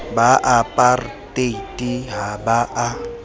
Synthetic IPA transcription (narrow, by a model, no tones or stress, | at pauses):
baʔapʼartʼeitʼiɦabaʔa